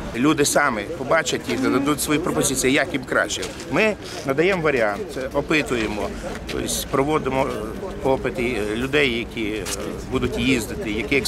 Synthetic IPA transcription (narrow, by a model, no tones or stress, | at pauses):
lʲud̪ɪsɑmɪpɔbɑt͡ʃɐtʲjixnɐd̪ɐd̪utʲsʋɔjipɾɔpɔzʲɪt͡sʲijijɐkjimkɾɑ̰t͡ʃɛ | mɪ | nɐd̪ɐjɛmʋɐɾʲiɑnt̪sɛɔpɪt̪ʊjemɔt̪ɔ̰sʲpɾɔʋɔd̪ɪmɔɔpɪt̪ɪlʲʊd̪ɛjːɐkʲʰi | bud̪ʊtʲjizd̪ɪt̪ɪjɐkɪɛ